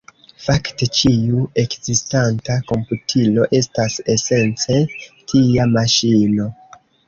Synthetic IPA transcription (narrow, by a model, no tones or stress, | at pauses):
fakte̞t͡ʃiue̞kzistantako̞mputʰilo̞ʔe̞stase̞se̞nt͡se̞tʰijamaʃino̞